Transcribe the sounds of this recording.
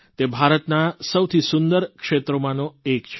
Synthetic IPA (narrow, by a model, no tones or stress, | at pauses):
t̪ebʱaɾət̪nasəwt̪ʰisʊnd̪əɾkʂet̪ɾomãnoekt͡ʃʰ